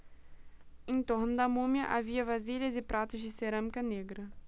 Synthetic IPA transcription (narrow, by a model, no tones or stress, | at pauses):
ẽt̪oɾnʊd̪ɐmũmjɐʔaviɐvaziʎɐzɪpɾʔat̪ʊzd͡ʒɪseɾɐ̃mikɐneɡɾɐ